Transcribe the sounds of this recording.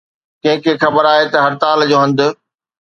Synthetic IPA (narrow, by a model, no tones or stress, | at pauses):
kɐ̃ɦɪ̃kʰeːxɐbəɾaːɦet̪ɐɦɐɾt̪aːld͡ʑoːɦɐ̃nd̪ʊ̆